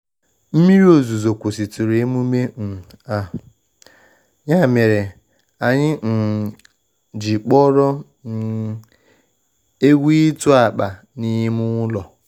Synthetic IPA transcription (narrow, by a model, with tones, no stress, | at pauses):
m̩˦mi˦ɾi˦o˦˨zu˨zo˨kʷu˨si˨tu˨ɾe˨e˦mu˦me˦n̩˨ | a˨ | ɲa˦˨me˨ɾe˨ | a˨ɲɪ˦n̩˨ | d͡ʒi˨k͡pɔ˦ɾɔ˦ | n˨ | e˦ɡʷi˦tu˦a˨k͡pa˨ | ni˦ɦi˦mʊ˦ŋʷʊ˦lɔ˨